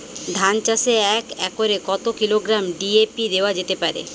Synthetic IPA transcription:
d̪ʱant͡ɕaseɛkɛkoɾekɔt̪okiloɡɾamɖiepid̪eoad͡ʑet̪epaɾḛ

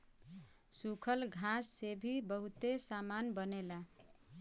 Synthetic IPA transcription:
sukʰəlɡʱãsːebʱibəɦut̪esamanbənela

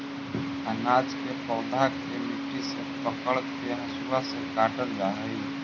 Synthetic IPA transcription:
ənaːd͡ʒkepəːd̪akː | emiʈisepəkəɭt̪keɦəsuasekaːʈəld͡ʒaːɦɛi

